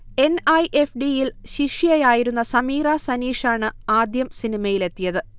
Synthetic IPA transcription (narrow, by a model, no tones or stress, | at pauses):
e̞nɐjʔefɖijilɕiʂijɐjaːjiɾun̪ːɐsɐmiːraːsɐniːʂaːɳɨaːd̪jɐmsinimɐjile̞t̪ːijɐðɨ